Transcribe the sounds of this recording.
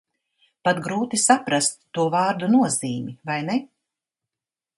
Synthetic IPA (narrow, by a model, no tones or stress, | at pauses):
pat̪ɡɾuːt̪isapɾast̪ːuɔvaːɾd̪unuɔziːmivajne